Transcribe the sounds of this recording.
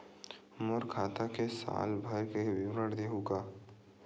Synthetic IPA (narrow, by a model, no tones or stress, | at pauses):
moɾkʰaːt̪akesa̰ːlbʱɐɾkewɪwɾəɽd̪eɦuɡaː